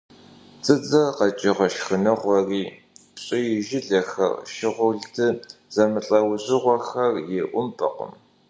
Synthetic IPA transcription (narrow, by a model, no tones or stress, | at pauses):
t͡sʼɨd͡zɐqɐt͡ʃʼɪʁɐʃxɨnɨʁʷɔriː | pɕʼɪjɪʒɪɮɐxɐ̰rʃɪʁʷʊɮtʰɨz̥ɐmɨɬʼɐwʑɪʁʷɔxɐrjɛʔʷʊmpʰʼɐ̰qə̰m